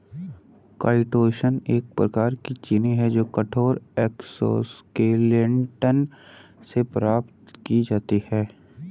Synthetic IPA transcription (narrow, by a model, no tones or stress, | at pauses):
kaːɪʈoːʃəneːk̚pɾɐkaːɾkit͡ʃiniɦɛd͡ʒoːkəʈʰoːɾɛːkso̰ːskelɪ̃ɳʈənsepɾaːpt̪kid͡ʒaːt̪ihɛː